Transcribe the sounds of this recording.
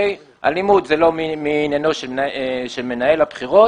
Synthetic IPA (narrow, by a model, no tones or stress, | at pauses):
j | a̰lnimud̪zelo̞miminjanoʃeʃelme̞nae̞labχiʁo̞